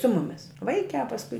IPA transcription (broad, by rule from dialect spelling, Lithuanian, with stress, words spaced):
sʊ ˈmʊmʲɪs ˈʋɐɪkʲæː pɐsˈkʊɪ